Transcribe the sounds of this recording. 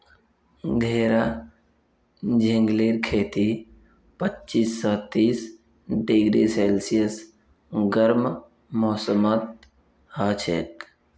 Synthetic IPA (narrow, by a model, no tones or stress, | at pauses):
ɡʱeːɾa | d͡ʒẽŋɡleːɾkʰeːt̪i | pətːt͡ʃiːsːɔːt̪iːs | ɖɪɡɾḭseːlsijəs | ɡəɾm | mɔːsəmət̪̚ | həːt͡ʃʰḛːt̪